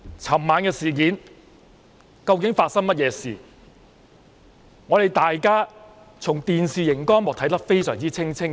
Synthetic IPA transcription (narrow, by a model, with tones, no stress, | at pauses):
t͡sʰɐ˨˩mːaː˨˧nkɛː˧siː˨˩k̬iː˨˥n | kɐ˧wkɪ˨˥ŋfaː˧t̚sɐ˥ŋmɐ˥t̚jɛː˨˧sḭː˨˩ | ŋɔː˨˧ɾe˨jt̪aː˨jkaː˥ | t͡sʰʊ˨˩ŋt̪iː˨nsiː˨jɪ˨˩ŋkɔː˥nmʊː˨k̚t̪ʰɐ˨˥jt̪ɐ˥k̚fe˥jsœː˨˩ŋt͡siː˥t͡sʰɪ˥ŋt͡sʰɪ˥ŋ